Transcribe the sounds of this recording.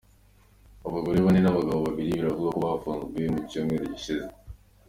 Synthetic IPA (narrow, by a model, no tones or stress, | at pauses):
aβaɡo̞ɾeβanenaβaɡaβoβaβiɾiβiɾavuzakuβafaːnzueemucoːmɡeɾeɟiʃize